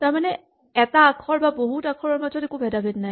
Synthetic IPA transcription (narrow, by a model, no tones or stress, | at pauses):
taɹmanɛ | ɛtaːkʰɔɹbaboɦutakʰɔɹɔɹmazɔtekubʱɛdabʱɛtnaj